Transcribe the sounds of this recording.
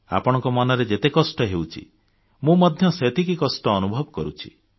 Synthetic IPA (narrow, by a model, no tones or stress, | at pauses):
a̰pɔɽ̃ɔŋkɔmanɔɾed͡ʒet̪ekɔsʈɔɦewt͡ʃʰḭ | mũmɔd̪ʱjɔset̪ʰikikɔsʈɔːnubʱɔbɔkɔɾut͡ʃʰi̥̰